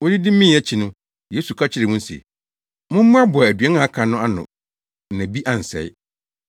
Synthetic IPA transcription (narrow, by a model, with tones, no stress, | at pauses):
wʊ˦dɪ˦dɪ˦mĩ˦˨ɛ˦t͡ɕʰi˨nʊ̃˦ | je˦su˨kʰa˦t͡ɕʰɪ˦ɾɪ˨mʊ̃˦n˦sḛ˨ | mʊ̃˦m̩˦mʊ̃˦a˦bʊ˨a˨æ˨dɥɛ˦nã˨a˦kʰã˨nʊ̃˦a˦nʊ̰̃˨ | næ̃˨bi˦ʔa˨n̩˨sɛ̰˨j